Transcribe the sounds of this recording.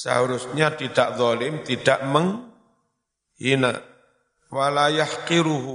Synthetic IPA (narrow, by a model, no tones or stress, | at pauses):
sa̰hɾʊsɲat̪idaʔðˤɔlɪmt̪id̥aʔməŋ | ina̰ | walajaħqɪɾuɦu